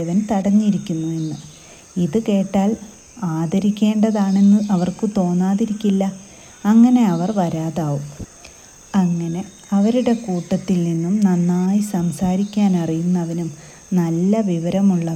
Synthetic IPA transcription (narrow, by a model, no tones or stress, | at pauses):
ʋɐnt̪ɐɽɐɲːiɾikʲːunːue̞nːɨ | iðɨke̞ːʈːaːl | aːd̪ɐɾikʲːe̞ːɳɖɐðaːɳe̞nːɨʔɐʋɐrkɨt̪o̞ːnːaːðiɾikʲːilːɐː | ŋːɐne̞ɐʋɐrʋɐɾaːðaːʋum | ɐŋːɐne̞ | ɐʋɐɾuɽe̞kuːʈːɐt̪ːilninːumnɐnːaːjisɐmsaːɾikʲːaːnɐrijunːɐʋɐnum | nɐlːɐʋiʋɐɾɐmuɭːɐ